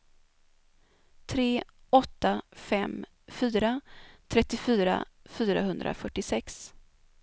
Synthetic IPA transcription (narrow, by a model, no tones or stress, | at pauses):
t̪ʰɾeː | ɔt̪ːafɛm | fyːɾat̪ʰɾɛt̪ːɪfyːɾa̰fyːɾa̰ɦɵnd̪ɾʔa̰fœʈːɪsɛks